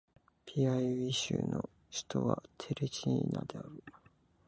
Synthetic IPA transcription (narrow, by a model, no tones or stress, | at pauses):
pʲʰiaiβiɕɨːno | ɕi̥t̪o̞βat̪ʰe̞ɾet͡ɕinad̪e̞aɾɯ